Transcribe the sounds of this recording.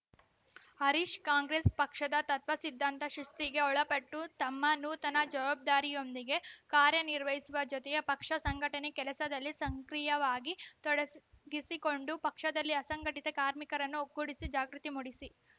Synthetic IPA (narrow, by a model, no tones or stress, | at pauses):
hɐɾiʃkaːŋɡɾespɐkʂɐd̪ɐt̪ɐt̪ʋɐsid̪ʱːɐnt̪ɐʃɾust̪iɡe̞ɔɭɐpɐʈːut̪ɐmːɐnuːt̪ɐnɐd͡ʒɐʋaːb̚d̪aːɾijo̞nd̪iɡe̞kaːɾjɐniɾʋɐɦisuʋɐd͡ʒɔt̪ɛjɐpɐkʂɐsɐŋɡʱɐʈɐnekɛlɐsɐd̪ɐlːisɐŋkɾijɐʋaːɡit̪ɔɽɐɡisiko̞ɳɖupɐkʂɐd̪ɐlːiɐsɐŋɡɐʈit̪ekaːɾmikɐɾɐnːuoɡːuɽisid͡ʒaːɡɾut̪imuɽisi